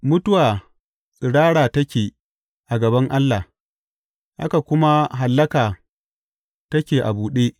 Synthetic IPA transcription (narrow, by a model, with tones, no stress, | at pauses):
mʊ˦tʊ˦waː˨ | ɽaː˦ɽaː˨tɐ˦kʲeː˨ | ʔa˨ɡɐ˨bɐ˦ŋʔa˦lːa˨ | ʔa̰˦ka˨kʷʊ˦ma˦ɦa˨lːɐ˦kaː˨ | tɐ˦kʲeː˨ʔa̰˨buː˨ɗeː˦ʔ